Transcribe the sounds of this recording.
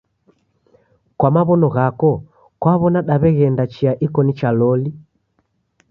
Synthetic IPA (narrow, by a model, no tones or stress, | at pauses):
kwamaβɔnɔɣakɔ | kwaβɔnaɗaβɛɣɛndat͡ʃiaʔikɔnit͡ʃalɔli